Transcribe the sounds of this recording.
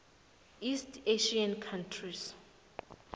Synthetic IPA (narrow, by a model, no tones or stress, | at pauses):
istʰeʃiankʰantʰris